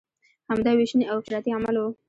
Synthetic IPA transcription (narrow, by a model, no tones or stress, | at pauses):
hamd̪ɑweʃniawqɪɾɑt̪iamalo